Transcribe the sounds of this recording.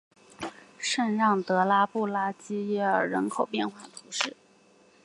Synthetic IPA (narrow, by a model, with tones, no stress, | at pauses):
ʂə˥˧nɻɑ˥˩ŋt̪ɤ˧˥la˥pu˥˩la˥t͡ɕi˥jɛ˥ə˞˨˩ɻə˧˥nkʰo˨˩ʊpjɛ˥˧nxwa˥˩t̪ʰu˧˥ʂɻ̩˥˩